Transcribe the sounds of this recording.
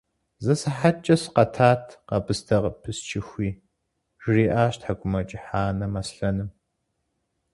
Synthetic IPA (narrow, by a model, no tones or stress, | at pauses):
zɐsɨħat͡ʃʼɐsqɐtʰaːtʰqɐbɨstʰɐʁpʰɨst͡ʃʰɪxʷiː | ʒ̥riːʔaːɕtħakʷʼʊmɐt͡ʃʼɪħaːnɐmɐsɬɐnɨm